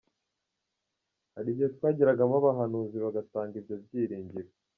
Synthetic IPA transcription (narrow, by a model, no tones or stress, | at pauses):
haɾiɟietwaːɟiɾaɡamaβaɦanuːziβaɡataːŋɡibjabɟiːɾiːɲɟiɾo